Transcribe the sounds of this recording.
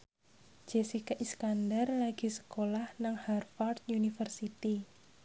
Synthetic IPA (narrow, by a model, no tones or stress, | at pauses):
d͡ʒ̥esikaʔiskandarlaɡ̥i̤sə̥kolahnaŋharfɔrt̪̚junifərsit̪i